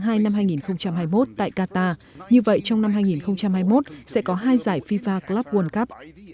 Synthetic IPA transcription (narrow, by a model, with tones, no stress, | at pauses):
ŋɦaː˧jna˧mɦaː˧jŋi˨˩nxə˧wŋ͡mt͡ɕa˧mɦaː˧jmo˦˥t̚t̪a̰ː˧˨jkaː˧t̪aː˧ | ɲɨ˧və̰˧˨jt͡ɕɔ˧wŋ͡mna˧mɦaː˧jŋi˨˩nxə˧wŋ͡mt͡ɕa˧mhaː˧jmo˦˥t̚sɛ̰˧˥kɔ˨˦ɦaː˧jzaː˧˩jfi˧faː˧klaː˦˥p̚wə˧nka˦˥p̚